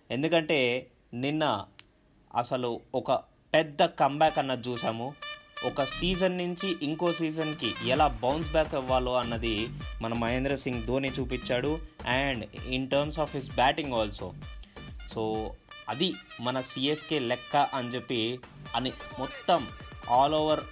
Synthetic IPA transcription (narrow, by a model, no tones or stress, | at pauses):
e̞nd̪ukɐɳʈe̞ː | ninːɐ | ɐ̰sɐluɔkɐ | pɛd̪ːɐkɐmbaːkɐnːɐt͡ʃuːsaːmuɔkɐsiːd͡ʒɐnːuɲt͡ʃiʔiŋko̞ːsiːd͡ʒɐnkiɛlaːbɐwns̬baːkiʋːaːloːɐnːɐd̪imɐnɐmɐjeːnd̪ɾɐsiŋɡd̪oːnit͡ʃuːpit͡ʃːaːɽuɛɳɖiɳʈɐːɾmsaːfɦisbaːʈiŋɡɔːlsoː | soːɐd̪imɐnɐsiːeskeːlɛkːɐʔɐnt͡ʃepːiɐnimɔt̪ːɐmaːloːʋɐɾ